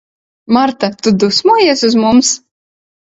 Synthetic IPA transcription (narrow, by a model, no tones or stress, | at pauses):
maɾt̪at̪ud̪usmuɔjeɛsuzmums